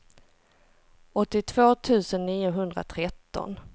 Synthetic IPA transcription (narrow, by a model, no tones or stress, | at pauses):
ɔt̪ːɪt̪ʰv̥oːt̪ʰʉ̟ːsənːiːʊɦɵnd̪ɾa̰t̪ʰɾɛt̪ːɔ̰n